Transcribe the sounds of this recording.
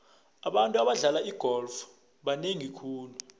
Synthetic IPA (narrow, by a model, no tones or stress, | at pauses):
aɓantʼuaɓaɮalaiɡ̥ʱɔlf | ɓaneŋikʰuːlu